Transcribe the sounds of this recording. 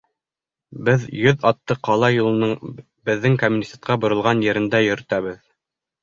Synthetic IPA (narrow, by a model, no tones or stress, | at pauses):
bɘðjɵðɑt̪ːɤqʰɑlˠɑjulˠɤ̆nɤɴ | bɘ̆ðːɘŋkomʲunʲisʲet̪̚qɑbŏɾɤ̆lˠʁɑnjɘ̆ɾɘ̆nd̪æjɵ̆ɾɵ̆t̪æβɘð